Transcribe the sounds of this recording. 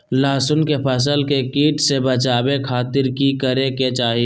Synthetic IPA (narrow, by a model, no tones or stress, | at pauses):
laːsʊnkepʰəs̬əlkekiːʈsebət͡ʃaːbekʰaːt̪ɪɾkikəɾeket͡ʃaːɦi